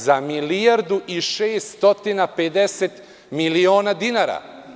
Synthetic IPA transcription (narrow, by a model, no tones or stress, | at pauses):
zamilijaɾd̪uʔiʃeːst̪ot̪inaped̪eset̪ | milio̞ːnad̪inaːɾa̰